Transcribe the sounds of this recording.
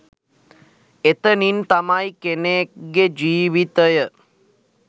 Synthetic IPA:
et̪ənint̪amajkeneɡed͡ʒiːʋit̪əjə

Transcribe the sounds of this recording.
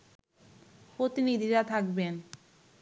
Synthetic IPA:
pɾot̪inid̪ʱiɾat̪ʰakben

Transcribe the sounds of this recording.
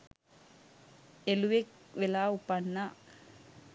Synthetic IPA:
eluʋek̚ʋelaːupːanːa

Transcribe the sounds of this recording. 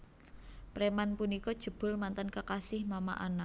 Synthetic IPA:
pɾemanpunikɔd̥ʒ̥ə̤b̥ʊ̤lmant̪ənkəkasɪhmama̰ʔa̰na

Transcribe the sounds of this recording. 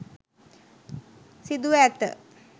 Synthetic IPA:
sid̪uʋæt̪ə̰

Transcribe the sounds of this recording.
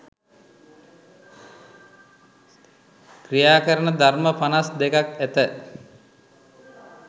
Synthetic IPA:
krijaːkəɾənəd̪ʱarməpanasd̪ekakæt̪ə

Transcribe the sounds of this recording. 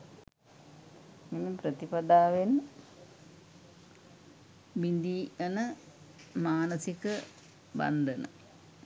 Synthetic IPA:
miməpɾət̪ipad̪aːʋen | bind̪iːənə | maːnəsikə | ba̰nd̪ənə̰

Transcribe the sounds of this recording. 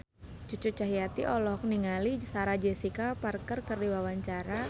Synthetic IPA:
t͡ʃut͡ʃut͡ʃaɦijat̪ḭʔɔlɔhk̚niŋalisaɾad͡ʒɛsikaparkərkərdiwawaɲt͡ʃaɾa

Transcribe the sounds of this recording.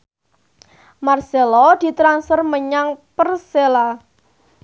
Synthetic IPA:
marselɔd̪̥i̤t̪ɾansfərməɲaŋpərsela

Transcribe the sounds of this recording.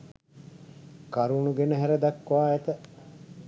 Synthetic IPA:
kaɾunuɡenəɦæɾəd̪akːʋaːɛt̪ə

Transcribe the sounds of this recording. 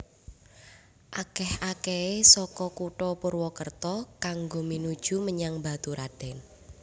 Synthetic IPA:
ʔakɛhʔakɛesɔkɔkuʈɔpʊrwɔkərt̪ɔkaŋɡominud̥ʒ̥ṳməɲaŋba̤t̪uɾad̥ɛ̤n

